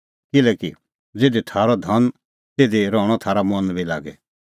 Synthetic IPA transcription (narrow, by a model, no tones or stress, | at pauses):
kɪlɛːki | d͡zeːd̪it̪ʰaːɾɔd̪ʱɐn | t̪eːd̪iɾɔːɽ̃ɔt̪ʰaːɾamɔnbila̰ːɡɛ